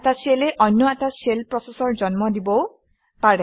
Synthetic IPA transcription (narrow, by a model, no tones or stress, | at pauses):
taseleʔɔnːɔɛtaselpɹɔsesɔɹd͡ʒɔnmɔdibɔ | paɹɛ